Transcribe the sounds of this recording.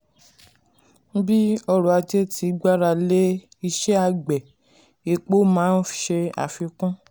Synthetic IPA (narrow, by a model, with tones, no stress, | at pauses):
bi˦ɔ˧ɾɔ˨a˧d͡ʒe˦ti˨˦ɡ͡ba˦ɾa˧le˦ | i˧ʃɛ˦a˧ɡ͡bɛ˨ | e˧˨k͡po˦mãː˨˦n̩˦ʃe˧a̰˨fi˧kũ˦